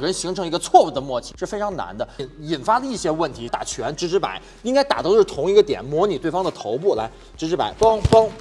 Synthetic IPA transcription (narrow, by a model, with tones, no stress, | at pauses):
ɻə˧˥nɕi˧˥ŋʈ͡ʂʰɤ˧˥ŋi˧˥ɡə˧t͡sʰwɔ˥˧u˥˩d̪ə˩mwɔ˥˩t͡ɕʰi̥˧˩ʂɻ̩˥˩fe˥ʈ͡ʂʰɑ˧˥ŋna̰˧˥nd̪ə˧˩ni˨˩nfa˥lə˧i˥˩ɕjɛ˥wə˥˩nt̪ʰi˧˥t̪a̰˨˩t͡ɕʰɥɛ˧˥nʈ͡ʂɻ̩˥ʈ͡ʂʰɻ̩˧˥pa̰˨˩˦ɪ | i˥ŋka˥ɪt̪a˨˩t̪o˥ʊʂɻ̩˥˩t̪ʰʊ˧˥ŋi˧˥ɡə˧t̪jɛ˨˩˦nmwɔ˧˥ni˨˩t̪we˥˩ɪfɑ˥ŋdə˨t̪ʰo˧˥ʊp̬u˥˩la̰˧˥ɪ | ʈ͡ʂɻ̩˧˥ʈ͡ʂʰɻ̩˧˥pa̰˨˧˩ɪpɑ˥ŋpɑ˥ŋ